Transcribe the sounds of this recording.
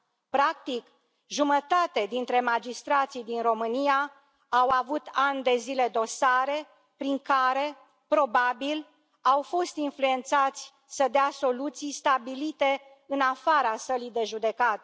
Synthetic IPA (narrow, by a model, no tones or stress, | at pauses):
pɾak̚t̪ik | ʒumət̪at̪ed̪int̪ɾe̞mad͡ʒist̪ɾat̪sijd̪inro̞mɨnijaː | wavut̪and̪e̞zile̞d̪o̞saɾe̞ | pɾiŋkaɾe̞ | pɾo̞babil | awfo̞st̪influe̞nt̪sat̪sʲ | səd̪easo̞lut̪sijst̪abilit̪e̞ | ɨnafaɾasəlid̪e̞ʒud̪e̞kat̪e